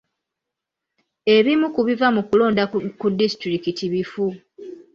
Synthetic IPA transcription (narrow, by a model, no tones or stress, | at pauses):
e̞βimukuβivamukulo̞ːndakudːistɾikitiβifu